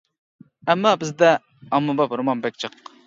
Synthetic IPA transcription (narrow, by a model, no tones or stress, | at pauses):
ɛmːɑbɪzd̪ɛ | ɑmːɨbɑpɾmɑnbɛk̚ʲt͡ʃʰəq